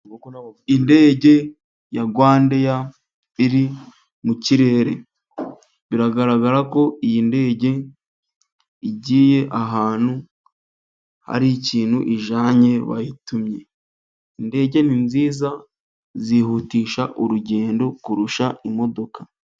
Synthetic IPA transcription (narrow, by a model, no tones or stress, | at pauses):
inde̞ːɟe̞ | jaɡwaːndeja | iɾi | muciɾe̞ːɾe̞̰ | βiɾaɡaɾaɡaɾako̞ʔijinde̞ːɟe̞ | iɟiːje̞ʔaɦaːn̥hu | ha̰ɾiciːn̥huʔiʒaːɲe̞βa̰jitumɲe̞ | inde̞ːɟe̞ninziːza | zihutiːʃaʔuɾuɟe̞ːndo̞kuɾuʃaʔimo̞do̞kḁ